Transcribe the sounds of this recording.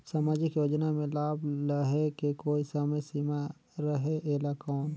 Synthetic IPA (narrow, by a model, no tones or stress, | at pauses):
saːmaːd͡ʒikjoːd͡ʒnamẽlaːbləɦekekoːisaːmesiːma | ɾəɦeʔeːlakɔːn